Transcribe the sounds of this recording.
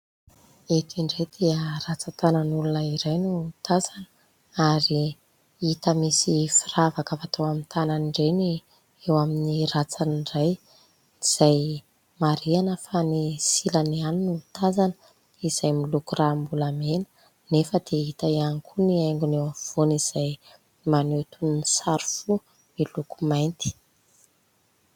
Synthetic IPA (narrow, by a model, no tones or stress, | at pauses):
et̪iɳɖ͡ʐed̪̥eərat͡sat̪anənulunəiɾajnut̪ʰazanə̥ | aɾi | it̪əmisifiravakəvat̪ʰowamint̪ʰananiɳɖ͡ʐeni | ewaminirat͡saniɖ͡ʐaj | iz̥aj | maɾianəfanisilanianinuit̪ʰazanə | iz̥ajmilukurambulamenə̥ | nefəd̪̥eit̪aiankʰuniajŋɡunewav̥oniz̥aj | manet̪unnisaɾu̥fu | milukumajnt̪i̥